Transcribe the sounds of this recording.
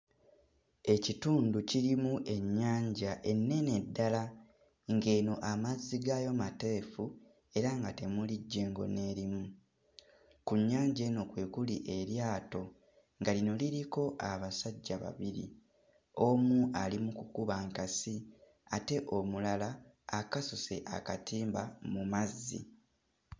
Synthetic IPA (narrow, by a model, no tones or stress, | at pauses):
e̞cituːnduciɾimuʔe̞ɲːaːɲɟaʔe̞nːe̞ne̞dːala | ŋɡe̞ːno̞ʔamazːiɡajo̞mate̞fu | e̞ɾaŋɡate̞muliɟːe̞ŋɡo̞̰ne̞ːɾimu | kuɲːaːɲɟeːno̞kwe̞ːkuliʔe̞ɾjaːto̞ | ŋɡalino̞liɾiko̞ʔaβasaɟːaβa̰βiɾḭ | o̞muʔalimukukuβaŋkasi | ate̞ʔo̞mulalaː | kasose̞̰ʔa̰katʰiːmbamumazːḭ